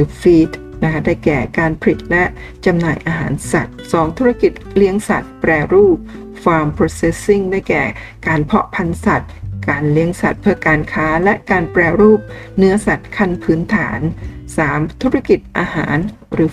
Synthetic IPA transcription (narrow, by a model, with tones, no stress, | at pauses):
ɾɯː˨˦fiː˦˥t̪̚ | na˦˥kʰa˥daː˥˩jkɛː˨˩kaː˧npʰa˧li˨˩t̪̚lɛ˦˥ʔ | t͡ɕa˧mnaː˨˩jʔaː˧ɦa̰ː˩˦nsa̰˨˩t̪̚sɔː˩˦ŋt̪ʰu˦˥ɾa˥˩ki˨˩t̪̚li˦˥əŋsa̰˨˩t̪̚pɾɛː˧ɾuː˥˩p̚ | faː˧mpʰɾoː˧se˦˧˥si˥˩ŋdaː˥˩jkɛ̰ː˨˩ | kaː˧npʰɔ˦˥ʔpʰa˧nsa˨˩t̪̚kaː˧nli˦˥əŋsa̰˨˩t̪̚pʰɯ˥˩ɐkaː˧nkʰaː˦˥lɛ˦˥ʔkaː˧npɾɛː˧ɾuː˥˩p̚nɯ˦˥ɐsa˨˩t̪̚kʰa˥˩npʰɯː˦˥nt̪ʰa̰ː˩˦nsaː˩˦mt̪ʰu˦˥ɾa˥˩ki˨˩t̪̚ʔa̰ː˧ha̰ː˩˦n | ɾɯː˩˦